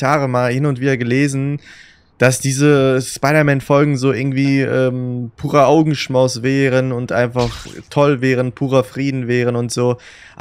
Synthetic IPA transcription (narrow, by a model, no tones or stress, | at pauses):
aːʁəmaːlhɪnʊntv̥iːdɐɡəleːzn̩ | d̥asd̥iːzəspaɪɾɐmɛnfɔlɡŋ̩zoːʔɪɐɡŋ̩tv̥iːʔɛːmpʰuːʁɐʔaʊɡŋ̩ʃmaʊsv̥ɛːʁənʊntʔa̰ɪnfaχtʰɔlvɛːʁ̞ənpʰuːʁɐfʁ̥iːdn̩vɛːʁ̞ənʊntz̥oː | ʔ